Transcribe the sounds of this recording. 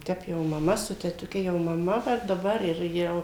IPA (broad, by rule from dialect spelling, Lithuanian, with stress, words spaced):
ˈtʲɛp jɛʊ mɐˈmɐ sʊ tʲɛtʊˈkʲɛ jɛʊ mɐˈmɐ ʋɐ dɐˈbɐr ɪr ˈjɛʊ